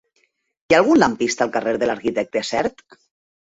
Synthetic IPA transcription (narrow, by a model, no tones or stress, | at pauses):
ialˠɣunlampist̪alˠkareɾðelaɾkit̪ɛk̚t̪easɛɾt̪